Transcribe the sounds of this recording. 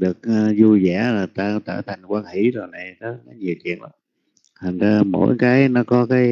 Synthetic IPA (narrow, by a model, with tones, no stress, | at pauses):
ɗɨ˨˩ək̚ːzu˧zɛ̰˧˩˦t̪aː˧˩t̪əː˧˩t̪ʰa˨˩jŋkwaː˧nhi˧˩˦zo˨˩jna˨˩jnɔ˨˦la˨˦ɲi˨˩əwkḭ˧˨ənla̰˧˦m | t̪ʰa˨˩ŋ̟zaː˧mo̰˧˥˦jkaː˨˦jnɔ˨˦kɔ˨˦kaː˨˦j